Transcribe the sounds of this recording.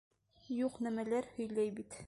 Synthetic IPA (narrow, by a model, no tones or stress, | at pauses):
juqnæmælæɾhɵ̆jlæjbit̪